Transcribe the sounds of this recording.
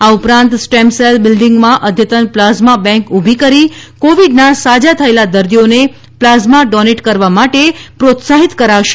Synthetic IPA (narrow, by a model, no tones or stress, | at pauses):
aupɾãnt̪sʈɛmselbɪlɖiŋɡmãʔəd̪ʱjət̪ənplazmabɛ̃ŋkubʱikəɾikoʋiɖnasad͡ʒat̪ʰəelad̪əɾd̪ijone | plazmaɖɔneʈkəɾʋamaʈepɾot̪saɦit̪kəɾaʋʃe̥